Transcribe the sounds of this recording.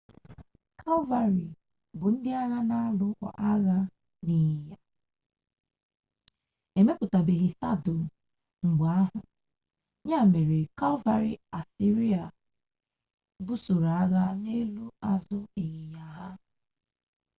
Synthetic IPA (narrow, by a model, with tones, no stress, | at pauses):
kʰa˦lva˨ɾi˨ | bʊ˨n̩˦dɪ˦a˦ɣa˦na˦a˦lʊ˦kʷa̰˨ʔa˦ɣa˦ | ni˨ja˨ | e˨me˦k͡pʊ˨ta˨be˨ɣɪ˨sa̰˦do˨ | ŋ̩˨ɡ͡ba˨a˦ɦʊ˨ | ɲa˦˨me˨ɾe˨ka˦lva˨ɾḭ˨a˨si˦ɾi˦a˨ | bu˦so˨ɾa˨a˦ɣa˦ne˦lu˦a˦zʊ˦i˨ɣi˨ja˨ɦa˦